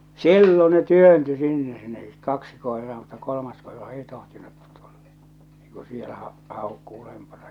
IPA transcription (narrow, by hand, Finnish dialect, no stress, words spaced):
silːo ne tyønty sinːe ne kɑksi koerɑː mutːɑ kolomɑs koerɑ ei tohtinut tu̥l̥ːɑ̥ ei ku sielæ hɑ hɑˑokːu ulempɑnɑ